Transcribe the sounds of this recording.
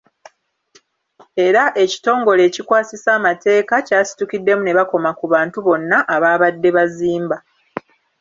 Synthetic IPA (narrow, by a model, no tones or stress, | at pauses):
e̞ɾaʔe̞ci̥to̞ːŋɡo̞le̞ːcikwaːsisaːmate̞ːkacaːsi̥tukidːe̞mune̞βako̞makuβaːntuβo̞nːaʔaβaːβadːe̞βaziːmba